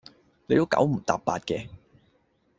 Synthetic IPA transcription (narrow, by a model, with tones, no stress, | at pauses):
le˨˧jt̪o˥wkɐ̰˨˥wm̩˨˩t̪a̰ː˨p̚ːa̰ː˧t̚kɛː˧